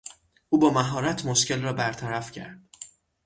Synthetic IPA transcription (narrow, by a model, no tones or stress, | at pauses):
ʔuːbɒːmæɦɒːɾæt̪ʰmoʃce̞lrɒːbæɾt̪ʰæɾæfcʰæ̰ɾd̪̥